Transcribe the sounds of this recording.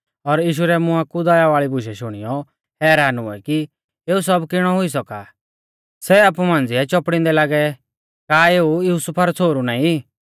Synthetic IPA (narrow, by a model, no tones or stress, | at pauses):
ɔɾjiːʃuɾɛmʊakud̪aːjaʋaːɭibʱʊʃɛʃʊɽ̃ḭjɔ | hɛːɾaːnṵɛ̰ki | eːusɔbkɪɽ̃ɔɦʊis̬ɔka | sɛaːpumãːnd͡zɪɛt͡ʃɔpɽ̃ɪ̃nd̪ɛlaːɡɛ | kaːeːujuːsʊpʰaɾɔt͡sʰoːɾunaːĩ